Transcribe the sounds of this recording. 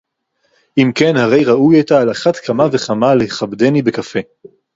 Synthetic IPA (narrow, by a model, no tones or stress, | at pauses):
ʔimke̞nhaʁe̞jʁaujetaːlaχatkʰamave̞χamaleheχabdenibe̞kafe